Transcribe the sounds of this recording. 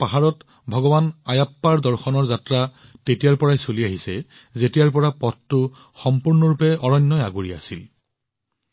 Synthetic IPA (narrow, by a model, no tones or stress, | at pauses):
paɦaɹɔt | bʱɔɡɔbanajapːaɹdɔɹxɔnɔɹzatɹa | tetijaɹpɔɹajsoliaɦisɛ | zetijaɹpɔɹapɔttʊ | xɔmpuɹnɔɹupɛɔɹɔɲːɔjaɡuɹia̰sḭl